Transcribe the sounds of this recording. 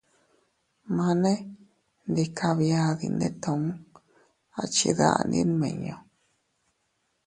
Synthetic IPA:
mã˧nẽ˦ | nd̪i˧kʰa˧βja˧ði˧nd̪e˦t̪ʰõ˧˨ũ˦ | a˨˧t͡ʃi˧ða̰˧ʔa̰˧ndḭ̃˦nmẽ˨ɲõ˧˨

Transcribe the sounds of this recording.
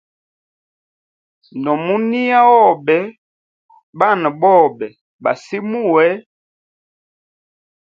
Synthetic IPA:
ndɔ˨mu˦ni˦a˦ɔ˦˨bɛ˨˦ | ba˦˨n˨bɔ˦˨bɛ˨ | ba̰˨si˦mu˦wɛ˦

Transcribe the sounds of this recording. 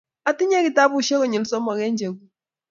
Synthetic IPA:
a˨ti˦ɲe˦ki˨ta˦bu˦˨˦ʃe˦ɣɔ˦˨ɲe˨lsɔ˦mɔ˨ɣɛ˦ɲd͡ʒe˨ɡu˦

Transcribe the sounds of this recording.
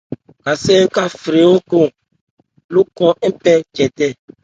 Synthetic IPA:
ka˨sɛ˦ŋ̩˦ka˦fɾe˨˦o˦ko˦˨ | lu˦kɔ̃˦pɛ˦d͡ʒɛ˨dɛ˦˨

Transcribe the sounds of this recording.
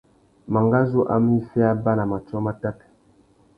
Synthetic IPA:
ma˨ŋɡa˦zo˦ʔa̰˦m˦i˦sɛ˦a˦ba˦la˨ma˨t͡ʃɔ˦ma˦ta˦t

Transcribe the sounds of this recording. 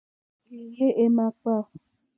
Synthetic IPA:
i˨je˦ʔe˦mã˨k͡pa˦˨

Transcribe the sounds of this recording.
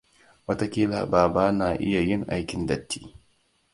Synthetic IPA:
wɐ˦ta˦kʲiː˦la̰ː˨baː˨baː˦naː˨ʔɪ˦ja˨jɪ˦ŋʔa˦jkʲɪ˨ndɐ˦tːi̥̰ː˦

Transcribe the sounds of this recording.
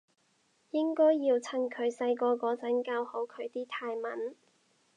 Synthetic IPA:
jɪ˥ŋkɔː˥jːiː˧wt͡sʰɐ˥nkʰɵ˨˧ɥsɐ˧jkɔː˧kɔː˨˥t͡sɐ˨˥nkaː˧who˨˥wkʰɵ˨˧ɥt̪iː˥t̪ʰaː˧jmɐ̰˨˥n

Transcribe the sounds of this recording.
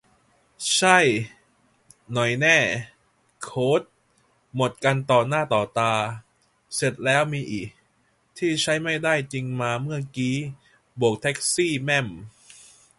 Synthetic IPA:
t͡ɕʰa˥˩j | nɔ˨˩jnɛː˥˩ | kʰoː˦˥t̪̚ | mo˨˩t̪̚ka˧nt̪ɔː˨˩naː˥˩t̪ɔː˨˩t̪aː˧ | se˨˩t̪̚lɛː˦˥wmiː˧ʔiː˨˩k̚ | t̪ʰiː˥˩t͡ɕʰa˦˥jma˥˩jdaː˥˩jt͡ɕi˧ŋmaː˧mɯ˥˩ɐkiː˦˥ | bu˨˩ək̚t̪ʰɛ˦˥k̚siː˥˩mɛ˥˩m

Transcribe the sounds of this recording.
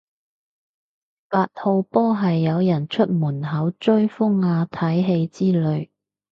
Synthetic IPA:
faː˧t̚ho˧wpɔː˥ɦɐ˨jːɐ˨˧wjɐ˨˩nt͡ʃʰɵ˥t̚muː˨˩nɦɐ˨˥wt͡ʃɵ˥ɥfʊ˥ŋːaː˧t̪ʰɐ˨˥jɦe˧jt͡siː˥lɵ˨˧ɥ

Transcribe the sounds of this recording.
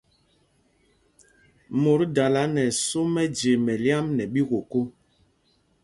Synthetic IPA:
mo˨ɾda˨la˨˦nɛ˨so˦mɛ˦d͡ʒe˨mɛ˨lja˦mnɛ˨ɓi˦ɣo˨ko˦

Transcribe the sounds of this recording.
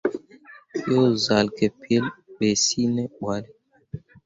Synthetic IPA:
jo˦za˨lkɛ˨pje˦lɓe˨si˦nɛ˦ɓwa˨lɛ˦

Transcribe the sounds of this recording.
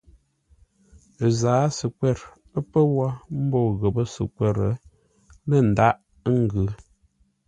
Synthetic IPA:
zaː˨˦sə˨kwɛ˦˨ɾ | ə˦pə˦wa˦m̩˦bɔ˦˨ɣə˨pə˦sə̰˨kwɛ˦˨ɾə̰˨˦ | lə˦˨n̩˨da˦ʔ | ŋ̩˦ɡʉ˨˦

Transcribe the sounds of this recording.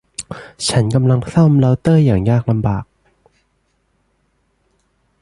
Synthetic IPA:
t͡ɕʰa˦˥nka˧mla˧ŋʰsa˥˩mla˧˥wt̪ɤː˥˩jaː˨˩ŋjaː˨˩k̚la˧mbaː˨˩k̚

